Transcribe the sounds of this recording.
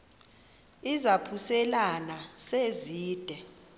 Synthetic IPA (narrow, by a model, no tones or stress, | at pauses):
izapʰusɛlanaseziːd̥ʱɛ